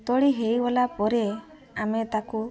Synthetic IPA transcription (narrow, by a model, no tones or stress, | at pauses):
t̪ɔɽiɦejwɔlapɔɾe | amet̪aku